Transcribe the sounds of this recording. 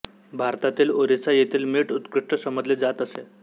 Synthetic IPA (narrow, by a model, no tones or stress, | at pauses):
bʱaɾt̪at̪iːloɾit͡sajet̪iːlmiːʈut̪kɾiʂʈəsəməd͡zled͡zat̪əse